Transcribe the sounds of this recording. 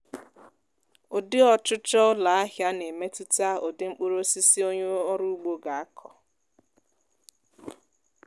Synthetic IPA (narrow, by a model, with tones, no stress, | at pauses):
o˨dɪ˦ɔ˨t͡ʃʊ˦t͡ʃɔ˦la˨a˦ɦja˦ne˨me˦tu˦ta˦o˨dɪ˦ŋ͡m̩˦k͡po˦ɾo˦si˦si˦o˦ɲe˦ɔ˦ɾu˦u˦ɡ͡bo˦ɡa˨a˦kʰɔ˨